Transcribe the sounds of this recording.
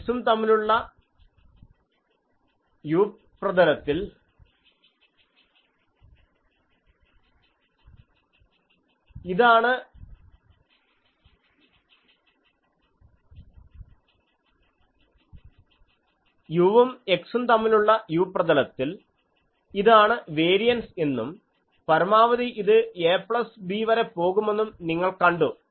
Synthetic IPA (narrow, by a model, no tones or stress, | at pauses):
sumt̪ɐmːiluɭːɐ | juːpprɐðɐlɐt̪ːil | iðaːɳɨ | juʋɐme̞ksunt̪ɐmːiluɭːɐjuːprɐðɐlɐt̪ːil | iðaːɳɨʋe̞ːɾijɐnse̞nːum | pɐɾɐmaːʋɐðiʔiðɨeːpɭɐsbiʋɐɾepo̞ːɣume̞nːumniŋːɐɭkɐɳɖu